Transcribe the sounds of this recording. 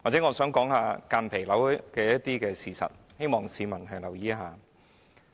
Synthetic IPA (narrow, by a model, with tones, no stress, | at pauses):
waː˨˩t͡sɛː˨˥ŋɔː˧sœː˨˥ŋkɔː˨˥ŋhaː˧kaː˧npʰe˨˩jlɐ˨˥wkɛː˧jɐ˥t̚t̪iː˥kɛː˧siː˨sɐ̰˨t̚ | he˥jmɔː˨˩ŋsiː˨˧mɐ˨˩nkʰɐ˨˩jlɐ˨˩wjiː˨˥ɦaː˨˧